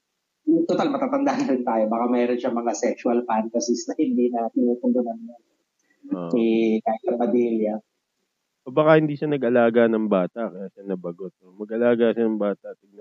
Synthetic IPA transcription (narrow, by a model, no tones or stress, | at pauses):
jʊŋt̪ot̪almɐt̪aːt̪ɐnd̪anɐɾɪnt̪aːjo̞bakamɛːɾonʃaŋmɐŋasɛksʊɐlpant̪ɐsɪsnɐhɪnd̪inɐt̪ɪnuːt̪ʊnd̪ʊnɐnmo | oɪk̪aːjɪsɐpɐmiːljɐ | ʔobɐkɐhɪnd̪iːʃanɐɡʔɐlaːɡɐnɐŋbaːt̪ɐkɐjaːʃɐnɐbɐɡot̪̚omɐɡ̚ʔɐlaːɡɐʃanɐŋbaːt̪ɐʔt̪ɪɡ̚nɐ